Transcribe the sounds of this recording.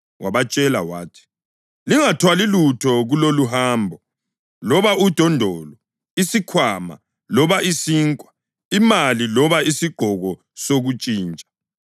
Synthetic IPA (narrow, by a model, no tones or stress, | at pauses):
wʔaβat͡ʃʼɛlawaːtʰi̥ | liŋatʰwalilutʰɔɣuloluɦaːmbʱɔ | lɔβaud̥ʱɔndʱɔːlɔ | isikʰwaːma̰ | lɔβaisiːŋkʼwa | imalilɔβaisiɡ͡ǃʱɔɣɔ | soɣut͡ʃʼiːnt͡ʃʼḁ